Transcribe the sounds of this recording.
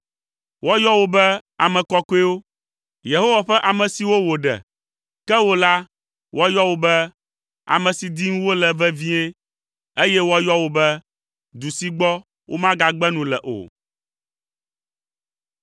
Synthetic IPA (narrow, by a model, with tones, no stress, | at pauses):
wɔ˦jɔ˦wo˨bɛ˦a˨mɛ̃˨kɔ˦ko˦e˦wo˦ | je˨ɦo˦wa˨ɸɛ˦ʔa˨mɛ̃˨si˨wo˦wo˨ɖɛ̰˨ | kɛ˦wo˦la˦ | wɔ˦jɔ˦wo˦bɛ˦ | a̰˨mɛ̃˨si˨d̪i˦ŋũ˦wo˦lɛ˨vɛ˦vĩ˦e˦ | e˦jɛ˦wɔ˦jɔ˦wo˨bɛ˦ | d̪u˨si˦ɡ͡bɔ˦ | wʔo̰˦mã˦ɡa˨ɡ͡bɛ˦nũ˨lɛ̰˨ʔo̰˨